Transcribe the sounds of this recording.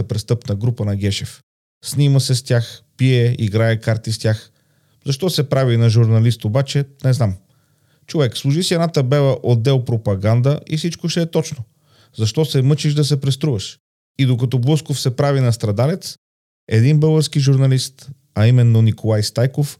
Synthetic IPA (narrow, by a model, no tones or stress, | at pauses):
əpɾɛst̪ɤpnəɡɾupənɐɡʲɛʃɛf | sniməsɛst̪ʲaxpiɛiɡɾaɛkaɾt̪ist̪ʲjax | zɐʃt̪ɔsɛpɾavinɐʒuɾnɐlist̪obat͡ʃɛnɛznam | t͡ʃovɛkslˠuʒisiɛdnat̪əbɛvˠəʔod̪ːɛlˠpɾopɐɡand̪əifsit͡ʃkoʃtɛːt̪ɔt͡ʃno | zɐʃt̪ɔsɛmɤt͡ʃiʒd̪ɐsɛpɾɛst̪ɾuvɐʃ | id̪okɐt̪ɔblˠɤskofsɛpɾavinɐst̪ɾɐd̪alɛt̪s | ɛ̰d̪inbɤlˠɡəɾskiʒuɾnɐlist̪ | ɐimɛnːonikolˠajst̪ajkof